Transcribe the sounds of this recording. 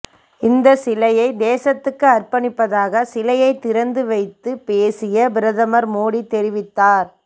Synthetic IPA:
ɪnd̪ɐsɪlɐjɐɪd̪eːsɐt̪ːɯkːɯɐrpɐɳɪpːɐðaːɣɐsɪlɐjɐɪt̪ːɪɾɐnd̪ɯʋɐɪt̪ːɯpeːsɪjɐbɪɾɐðɐmɐɾmoːɽit̪ːɛɾɪʋɪt̪ːaːɾ

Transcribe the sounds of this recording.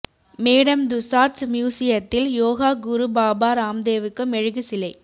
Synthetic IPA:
meːɽɐmd̪ʊsaːɾsmjuːsɪjɐt̪ːɪljoːɣaːɡʊɾubaːbaːɾaːmd̪eːʋɯkːɯmɛɻɯɣɯsɪlɐɪ

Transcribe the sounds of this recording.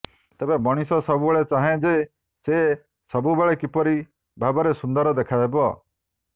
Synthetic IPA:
t̪ebemɔɽ̃isɔsɔbubeɭet͡ʃaɦẽd͡ʒe | se | sɔbubeɭekipɔɾi | bʱabɔɾesund̪ɔɾɔd̪ekʰad̪ebɔ

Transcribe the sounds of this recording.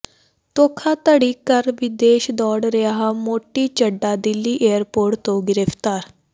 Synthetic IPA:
t̪oːkʰaːt̪əɽiːkəɾʋɪd̪eːʃd̪ɔːɽɾejaːɦamoːʈiːt͡ʃəɖːaːd̪ɪlːiːʔejəɾpoːɾʈt̪õɡɪɾeft̪aːɾ

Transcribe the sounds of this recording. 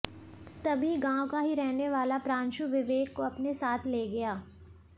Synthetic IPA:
t̪ɐbʱiɡãːwkaɦiɾɛɦneʋaːlapɾãːnʃuʋɪʋeːɡkoɐpnesaːt̪ʰleːɡɐjaː

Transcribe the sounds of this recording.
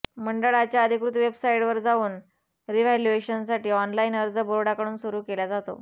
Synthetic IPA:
məɳɖəɭat͡ɕjaəd̪ʱikɾut̪ʋebsaiɽʋəɾd͡zauːn | ɾiʋaljueɕənsaʈiːɔnlainəɾd͡zəbəɾoɽakəɽ̃uːnsuɾuːkelad͡zat̪o̰

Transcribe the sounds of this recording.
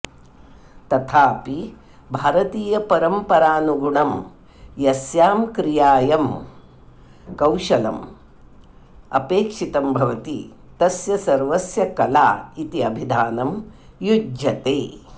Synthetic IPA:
t̪ɐt̪ʰaːpi | bʱaːɾɐt̪iːjɐpɐɾɐmpɐɾaːnuɡuɳɐm | jɐsjaːmkɾijaːjɐm | kɐwʃɐlɐ̰m | ɐ̰peːkʂit̪ɐmbʱɐʋɐt̪i | t̪ɐsjɐsɐɾʋɐsjɐkɐla̰ːit̪iɐbʱid̪ʱaːnɐm | jud͡ʒjɐt̪eː

